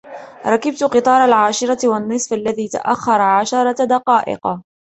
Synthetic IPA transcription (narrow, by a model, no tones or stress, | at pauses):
ɾˤɑkɪb̚t̪qɨt̪ˤɑːɾˤɑlʕaːʃɪɾˤɑtwɑnːɨsˤfʔalːaðiːt̪a̰ʔaxːɑɾˤɑʕaʃɑɾˤɑd̪ɑqɑːʔɪ̰qɑ